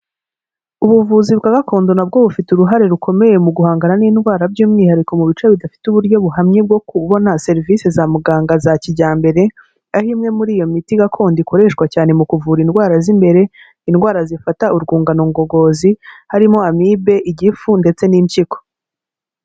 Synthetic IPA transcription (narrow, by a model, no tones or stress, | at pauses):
uβuvuziβkaɡakʰo̞ːndo̞nab̚ɡo̞βufituɾuɦaɾe̞ɾukʰo̞me̞je̞muɡuhaːŋɡaɾaniːnɡwaːɾabɟuːmŋiːhaɾiko̞muβit͡ʃeβidafi̥tuβuɾɟo̞βuhamɲeb̚ɡo̞kuβo̞nase̞ɾiviːse̞zamuɡaːŋɡazaciɟaːmbe̞ɾe̞ | ahimŋe̞muɾiːjo̞mitiɡakʰo̞ːndikʰo̞ɾe̞ːʃkwacaːne̞mukuvuːɾinɡwaːɾazimbe̞ɾe̞ | inɡwaːɾazifataʔuɾɡuːŋɡanoŋɡo̞ɡo̞ːzihaɾimoamibe̞ʔiɟifunde̞t͡se̞niɲt͡ʃiko̥